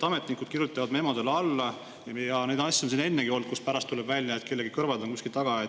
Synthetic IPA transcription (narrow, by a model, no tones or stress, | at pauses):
ɑme̞t̪ˑnikːˑud̪̥kiɾjut̪ːˑɑvɑd̪memod̪elɑlːɑ | jɑne̞jd̪nɑsʲːionsine̞nːeɡio̞ld̪̥̚kuspæɾɑst̪ulɛbvælʲːjɑet̪̚ke̞lːe̞ɡikɤrvɑd̪onkusʲkilt̪ɑɡ̥ɑjɑ